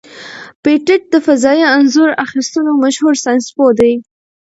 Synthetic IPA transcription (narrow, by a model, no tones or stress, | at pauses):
peʈɪʈ̚d̪əfazɑjianzuɾaxist̪unomaʃhuɾsɑjnspod̪aj